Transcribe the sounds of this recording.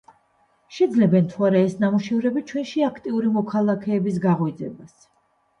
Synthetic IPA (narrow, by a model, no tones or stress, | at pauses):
ʃɛd̪zlɛbɛnt̪ʰuaɾaɛsnamuʃɛvɾɛbit͡ʃʰwɛnʃiakʰt̪ʼiuɾimɔkʰalˠakʰɛːbisɡaʁɔid̪zɛbas